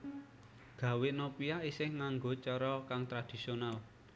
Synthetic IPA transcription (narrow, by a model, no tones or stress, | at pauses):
ɡ̥ä̤wɪnopiaisɪhŋaŋɡot͡ʃɔɾɔkaŋt̪ɾad̥i̤sional